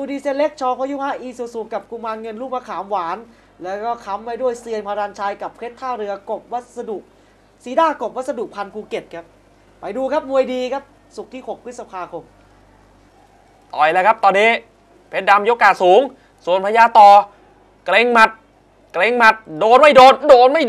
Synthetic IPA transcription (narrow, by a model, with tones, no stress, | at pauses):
tuː˧diː˧se˧˥nle˦˥k̚t͡ɕʰɔː˧kʰɔː˦˥juː˥˩haː˦˥ʔiː˧su˨˩su˨˩kkːa˨˩p̚kuː˧maː˧nŋɤ˧nɾuː˥˩p̚maː˧kʰaː˩˦mwaː˩˦n | lɛː˦˥wkɔː˥˩kʰa˦˥mːa˧jdu˥˩əjsi˧ənpʰa˧ɾaː˧nt͡ɕʰaː˧jka˨˩pʰɾe˦˥t̪ʰːaː˥˩wɾɯ˧ɐko˨˩p̚wa˦˥t̪̚sa˧du˨˩k̚ | siː˨˦daː˧˥˩ko˨˩p̚wa˦˥t̪̚sa˧du˨˩k̚pʰa˧nkʰuː˧ke˨˩t̪̚kʰa˦˥p̚ | pa˨˧jduː˧kʰa˦˥p̚mu˧əjdiː˧kʰa˦˥p̚ | su˨˩k̚t̪ʰiː˥˩ho˨˩k̚ʰɯ˦˥sa˧pʰaː˧kʰo˧m | t̪ɔː˨˩jlɛ˧˥˩kʰa˦˥p̚t̪ɔː˧nːiː˦˥ | pʰe˨˦˥n̚da˧mjo˦˥kːaː˨˩suː˨˩˦ŋ | su˨˩ənpʰaː˧jaː˧t̪ɔː˧˩ | kle˧ŋma˦˩t̪̚ | kleː˧ŋma˦˥t̪̚doː˧nma˥˩jdoː˧ndoː˧nma˥˩j